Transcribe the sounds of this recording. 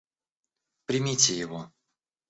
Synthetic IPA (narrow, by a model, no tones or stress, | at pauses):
pɾʲɪmʲitʲɪjɪvo